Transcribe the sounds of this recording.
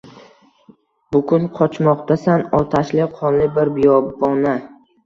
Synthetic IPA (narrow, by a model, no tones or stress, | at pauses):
bʊkʊnqʰɒt͡ʃʰmɒqt̪asanɒt̪ʰaʃlɪqʰɒnlɪbɪɾbɪjɒbɒna